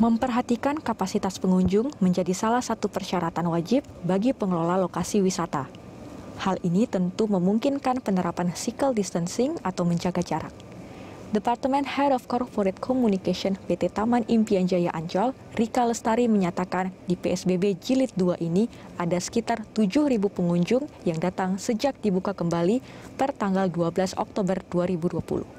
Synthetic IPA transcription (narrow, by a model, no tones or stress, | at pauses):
məmpərɦat̪ikankapasit̪aspəŋuɲd͡ʒʊŋməɲd͡ʒadisalahsat̪upərʃaɾat̪anwad͡ʒip̚baɡipəŋəlolalokasiwisat̪a̰ | halinit̪ənt̪uməmuŋkinkanpənəɾapansikəldist̪ənsɪŋat̪awməɲd͡ʒaɡad͡ʒaɾa̰k̚ | dəpart̪əmɛnhɛdɔfkɔrpɔɾɛt̪̚kʰɔmunikaʃɔnpet̪et̪amanimpiaɲd͡ʒajaʔaɲt͡ʃɔl | rikaləst̪aɾiməɲat̪akandipeɛsbebed͡ʒilɪt̪̚duaʔiniʔadasə̥kit̪art̪ud͡ʒʊhɾibupəŋuɲd͡ʒʊŋjaŋdat̪aŋsəd͡ʒak̚dibukakəmbalipərt̪aŋɡalduabəlasɔ̰k̚t̪obərduaɾibuduapṵlṵh